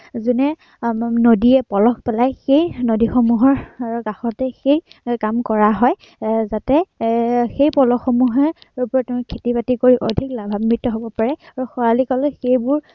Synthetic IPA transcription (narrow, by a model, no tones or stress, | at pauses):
zunɛ | nodiɛpɔlɔkpɛlajxejnodixɔmuɦɔɹkaxɔtɛxejkamkɔɹaɦɔj | zatɛ | xejpɔlɔxɔmuɦɛupʊɹɔtɛ̃kʰetipatikoɹiʔodʱiklabʱabmɹitːɔɦobɔpaɹɛaɹuxɔalikɔlɛxejbʊɹ